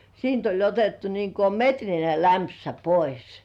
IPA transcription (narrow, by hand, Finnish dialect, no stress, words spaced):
siːnt olʲ otetːu niːŋ ko metrine læmpsæ pois